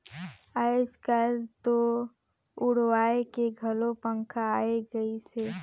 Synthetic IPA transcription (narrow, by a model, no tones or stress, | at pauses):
ad͡ʒkəlt̪o | ʊɽwaːekeɡʱɐlopə̃ŋkʰaːeɡəiseː